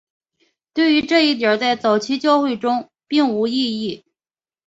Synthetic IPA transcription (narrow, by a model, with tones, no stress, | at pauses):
t̪we˥˩ɪy˧˥ʈ͡ʂɤ˥˧i˥˩t̪jə˞˨˩t͡sa˥˩ɪt͡sɑ˨˩ʊt͡ɕʰi˥t͡ɕjɑ˥˧ʊxwe˥˩ɪʈ͡ʂʊ˥ŋ | pi˥˩ŋu˧˥i˥˧i˥˩